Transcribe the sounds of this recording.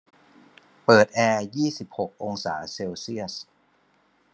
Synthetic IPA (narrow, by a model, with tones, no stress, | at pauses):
pɤː˨˩t̪̚ʔɛː˧jiː˥˩si˨˩p̚ho˨˩k̚ʔo˧ŋsa̰ː˩˦seː˧wsi˥˩əs